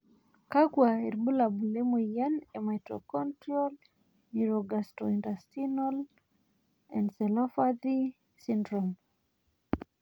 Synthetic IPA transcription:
kaɡwaeɾbulabulemujanematɾo̰kɔntɾiɔl | niɾɔɡastɔindastinɔl | ɛ̰̃ndsɛlɔfad̪i | sindɾɔm

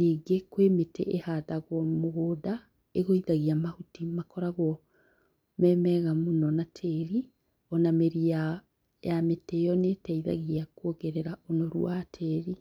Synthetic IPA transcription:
niːɡekwemetʰɛ̰ʔehaðaɣwɔmoɣoːda | eɣoiðaɣiamahutimakɔɾaɣwɔ | mɛmɛɣamonɔnatʰɛɾi | ɔnameɾia | jametɛjɔnetɛiða̰ɣiakoɣɛɾɛɾaonɔɾṵatʰɛɾi

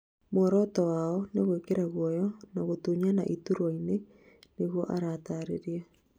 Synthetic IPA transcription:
mɔɾɔtɔwaɔneɣwekeɾaɣwɔjɔnaɣotuɲana̰ʔituɾaine | neɣwɔʔaɾaːtaɾeɾja

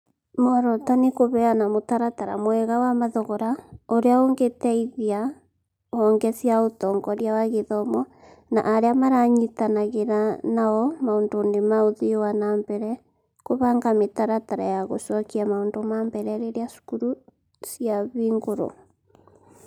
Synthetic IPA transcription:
mɔɾɔtanekoβɛanamotaɾataɾa̰mwɛɣawamaðɔɣɔɾaoɾeaoŋɡetɛiðia | ɔŋɡɛsiaotɔŋɡɔɾjawaɣeðɔmɔ | na̰ʔaɾeamaɾaɲitanaɣeɾanaɔmaondonemaoðiwanambɛɾɛ | koβaŋɡametaɾataɾa̰jaɣosɔkiamaondomambɛɾɛɾeɾeasu̥kuɾu | sjaβiːŋɡoɾo̰

